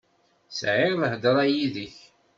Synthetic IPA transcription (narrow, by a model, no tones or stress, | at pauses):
sʕɪɾləhd̪əɾˤɑjiðəç